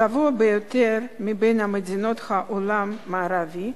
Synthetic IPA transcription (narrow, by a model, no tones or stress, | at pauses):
avoabejot̪eɾmibejnhamed̪inot̪χaʔolamːaːɾavi